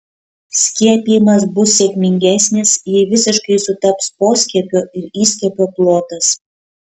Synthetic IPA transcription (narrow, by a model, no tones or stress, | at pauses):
sʲkʲiɛpʲijmɐs̬busːʲekʲmʲɪŋʲɡʲæsʲnʲesjɪʋʲɪsʲɪʃkəɪsʊt̪ɑpsposʲkʲɛpʲøʔɪɾisʲkʲɛpʲoplˠot̪əs